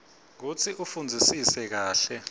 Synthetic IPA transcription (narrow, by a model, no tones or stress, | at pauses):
k̬ut͡sʰiʔufund͡zʱisisɛk̬aːɬɛ